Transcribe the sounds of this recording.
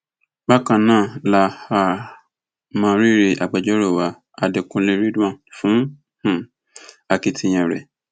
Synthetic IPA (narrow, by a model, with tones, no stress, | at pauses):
ɡ͡ba˦kã˧˨nãː˦˨la˧˨ha˧ | mãː˧˦ɾi˦ɾe˧˨ʔa˨ɡ͡bɛ˨d͡ʒɔ˦ɾo˦˨wa˨˦ | a˧de˨kũ˧lẽ˧ɾi˦dũ˦ã˦˨fũ˨˦ | h̩˨ | a˨˧ki˧tʰi˧j̃ɛ̃˨ɾɛ̰˨